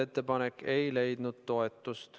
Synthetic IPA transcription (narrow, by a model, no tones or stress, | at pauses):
e̞t̪ˑːe̞pɑnekːe̞jle̞jd̪̥nud̪̥t̪o̞e̞t̪ˑːust̪